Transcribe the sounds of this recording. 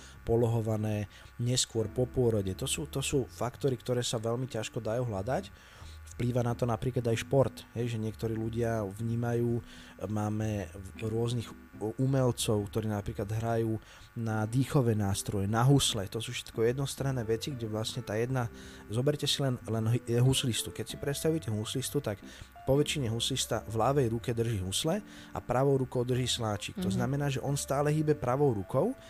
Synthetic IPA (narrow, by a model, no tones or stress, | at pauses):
pɔlɔɦɔʋanɛː | ɲɛskʊɔɾpɔpʊɔɾɔɟɛt̪ɔsuːt̪ɔsuːfakt̪ɔɾikt̪ɔɾɛːsaʋɛlmicaʃkɔd̪ajuːɦlad̪ac | fpliːʋanat̪ɔnapɾiːklad̪ajʃpɔɾt̪ɦɛjʒɛɲɪɛkt̪ɔɾiːluɟɪaʋɲiːmajuː | maːmɛɾʊɔzniɣ | umɛlt͡sɔʊkt̪ɔɾiːnapɾiːklad̪ɦɾajuː | nad̪iːxɔʋɛnaːst̪ɾɔjɛnaɦuslɛt̪ɔsuːfʃɛ̥t̪kɔjɛd̪nɔst̪ɾanːɛːʋɛt͡siɡɟɛʋlasɲɛt̪aːjɛd̪na | zɔbɛɾcɛsilɛnlɛnɦɦuslist̪ukɛcsipɾɛt̪st̪aʋujɛcɛɦuslist̪ut̪ak | pɔʋɛt͡ʃiɲɛɦuslist̪avlaʋɛjɾukɛd̪r̩ʒiːɦuslɛ | a̰pɾaʋɔʊɾukɔʊd̪r̩ʒiːslaːt͡ʃiːkt̪ɔznamɛnaːʒɛʔɔnst̪aːlɛɦiːbɛpɾaʋɔʊɾukɔʊ